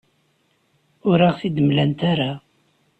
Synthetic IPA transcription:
ʊɾaʁθid̪əmlænt̪aɾa

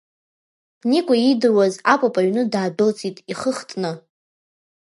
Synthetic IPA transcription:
nikʷʼaidɨrwazapʷʼapʼaɥnɨdaːdɨlt͡sʼitʼiχəχtʼnɨ

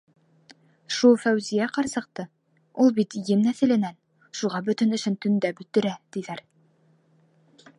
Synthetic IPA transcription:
ʃulˠfæwzijæqɑɾsɤ̆q̚t̪ɤ | ulˠbit̪jɘmnæθɘ̆lɘ̆næn | ʃuʁɑbɵ̆t̪ɵ̆nɘ̆ʃɘnt̪ɵ̆nd̪æbɵ̆t̪ːɵ̆ɾæt̪iðæɾ

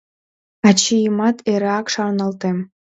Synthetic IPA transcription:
ɑt͡ɕijəmɑt̪ʰeɾɑkʃɑrnɑlt̪em

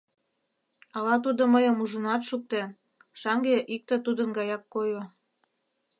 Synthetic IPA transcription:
ɑlɑt̪ud̪oməjə̆muʒənɑt̪ʃuk̚t̪en | ʃɑŋɡeʔik̚t̪et̪ud̪ənɡɑjɑkːojo

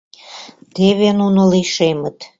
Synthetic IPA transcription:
t̪eβenunoliʃemət̪

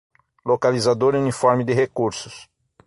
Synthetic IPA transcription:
lokalizad̪oɾiunifɔɾmɪd̪ɪɦekuɾsʊs

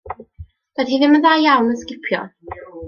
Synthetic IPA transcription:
ð̥aiðɪməðajawnəskɪpʰjɔ̰

